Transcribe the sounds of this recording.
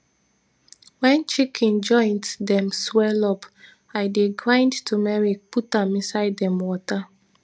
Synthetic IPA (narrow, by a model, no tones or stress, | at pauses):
wɛ̃nt͡ʃikʰĩnd͡ʒɔ̃ɪ̃nddɛ̃mswɛlɔp | ajdeɡɹãɪ̃ndtʰumɛɹiputãmĩnsaɪdɛ̃mwɔta